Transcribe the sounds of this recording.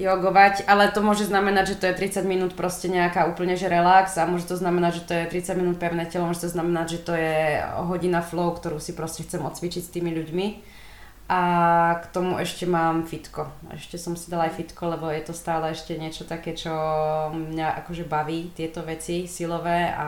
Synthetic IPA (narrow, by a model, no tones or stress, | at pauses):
jɔɡɔʋacʔalɛt̪ɔmʊɔʒɛznamɛnaɟʒɛt̪ɔjɛt̪ɾit͡saɟminuːt̪pɾɔscɛɲɛakaːuːpl̩ɲɛʒɛɾɛlaksamʊɔʒɛt̪ɔznamɛnaɟʒɛt̪ɔjɛt̪ɾit͡saɟminuːt̪̚pɛʊnɛːcɛlɔmɔʒɛt̪ɔznamɛnaɟʒɛt̪ɔjɛɦɔɟinaflɔʊkt̪ɔɾuːsipɾɔscɛxt͡sɛmɔt̪t͡sʋit͡ʃicst̪iːmiʎuɟmi | ʔakt̪ɔmuʔɛʃcɛmaːmfit̪kɔ | ɛ̰ʃcɛsɔmsid̪alajfit̪kɔlɛbɔjɛt̪ɔst̪aːlɛɛʃcɛɲɪɛt͡ʃɔt̪akɛːt͡ʃɔmɲaʔa̰kɔʒɛbaʋiːt̪ɪɛt̪ɔʋɛt͡sisilɔʋɛːa̰